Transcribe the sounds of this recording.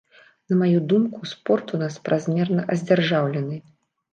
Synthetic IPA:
nɐmajud̪umkuspɔrt̪unaspɾʔazmʲɛrnɐʔɐzʲd͡zʲarʐawlʲɛnɨ

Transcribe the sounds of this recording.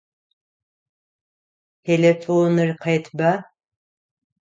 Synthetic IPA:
hʰelʲefonɨrqʰɑjt̪ʰba

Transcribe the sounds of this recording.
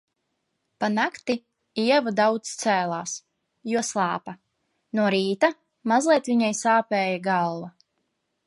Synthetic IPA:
panakt̪i | iɛvud̪awt̪st̪sæːlˠaːs | juɔslˠɑːpa | nuɔɾiːt̪a | mazlˠiɛt̪viɲajsaːpɛːjaɡalˠva

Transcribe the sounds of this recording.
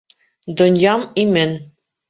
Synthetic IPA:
d̪ŏnjɑmimɘn

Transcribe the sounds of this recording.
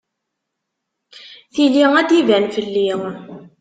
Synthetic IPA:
θiliŋæd̪ivænfəlːi

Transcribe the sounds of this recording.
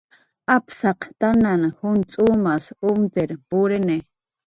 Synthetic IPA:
apsɑqt̪ananhʊnt͡sʼumasʊmpeɾpʊɾene

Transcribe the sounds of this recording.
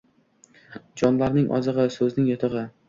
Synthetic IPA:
d͡ʒɒnlaɾnɪŋʔɒ̰zɨʁɨsɵznɪŋjet̪ʰɨʁɪ

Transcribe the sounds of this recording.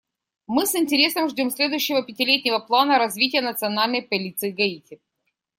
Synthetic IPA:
mɨsɨnʲtʲɪɾʲe̞səmʐdʲo̞msʲlʲe̞d̪ʊjʊɕːɪvəpʲɪtʲɪlʲetʲnʲɪvəplˠanəɾɐzvʲitʲɪjənət̪sɨɐnalʲnəjpɐlʲit̪sɨːɡɐitʲɪ

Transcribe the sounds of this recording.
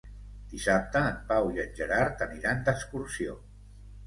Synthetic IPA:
d̪̥isap̚t̪əːmpawiənd͡ʒəɾaɾt̪əniɾand̪əkskuɾsio

